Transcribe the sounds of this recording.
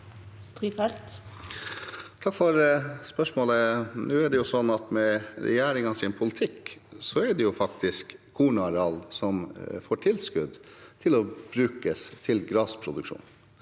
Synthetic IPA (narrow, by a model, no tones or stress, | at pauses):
st̪ɾiːfɛlt̪ | t̪ʰɑkːfɔɾspœʂmoːlənʉːɛɖɛjʊsɔnːɑt̪mɛɾɛ̰jæːɾɪŋɑsɪnpʰʊlɪt̪ʰɪkːsɔɛɖɛjʊfɑk̚t̪ɪskʰːuːɳɑɾɑlsɔmfoːʈʰɪlskʉd̪t̪ʰɪlɔb̥ɾʉːkəst̪ʰɪlɡɾɑːspʰɾʊd̪ʉkʂṵːn